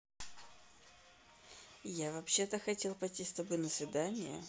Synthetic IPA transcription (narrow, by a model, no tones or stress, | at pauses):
javɐpɕːe̞t̪əxɐtʲe̞lˠpɐjtʲist̪ɐbɨnəsvʲɪd̪anʲɪjə̰